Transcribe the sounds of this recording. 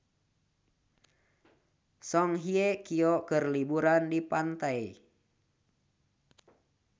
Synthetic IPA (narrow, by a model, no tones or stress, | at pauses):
sɔŋɦiɛkiɔkərlibuɾandipant̪ai